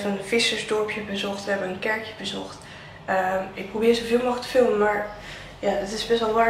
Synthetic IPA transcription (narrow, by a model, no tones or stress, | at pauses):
vɑnəv̥ɪsəɹzdɔɹpʰjəbəzɔχtʋəɦɛbənənkɛɹkjəbəzɔχt | əɪk̚prowbɪːɹzovɪːlˠmɑχtə̥fɪlˠməmaːɹ | jadɑtɪsbɛstʋɛlˠʋaː